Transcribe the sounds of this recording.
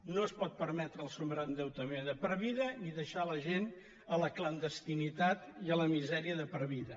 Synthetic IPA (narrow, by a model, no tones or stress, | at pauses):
noəspɔt̪̚pəɾmɛt̪ɾəːlˠsumbɾənd̪ɛwt̪əmeðəpəɾβiðəniðəʃaləʒen | ələklənd̪əst̪init̪at̪iələmizɛɾiəðəpəɾβiðə